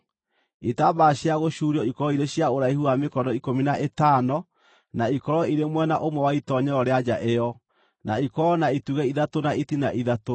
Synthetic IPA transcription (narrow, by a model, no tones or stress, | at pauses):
itabaɕjaɣoɕuɾiɔikɔɾɔiɾeɕjaoɾaihuamekɔnɔikominaʔetanɔ | naikɔɾɔiɾemwɛnaʔomwɛwaitɔɲɛɾɔɾead͡ʑaʔejɔ | naikɔnaituɣɛiðatonaitinaʔiðato